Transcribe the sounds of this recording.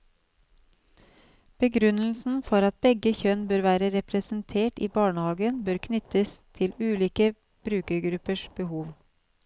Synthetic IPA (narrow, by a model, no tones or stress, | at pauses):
b̥əɡɾʉnl̩sn̩fɔɾɑt̪̚bɛɡəçœnbøːɾʋæːɾəɾɛpɾɛsn̩t̪ʰeːʈḭːbɑːɳəhɑːɡənbøːɾkʰnʏt̪əst̪ʰɪlʉːliːkə | b̥ɾʉːkəɡɾʉpəʃb̥əhuːʋ